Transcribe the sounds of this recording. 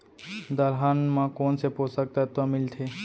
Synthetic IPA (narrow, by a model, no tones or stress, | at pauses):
d̪əɾɦanmãkoːnseposək̚t̪at̪amɪlt̪ʰe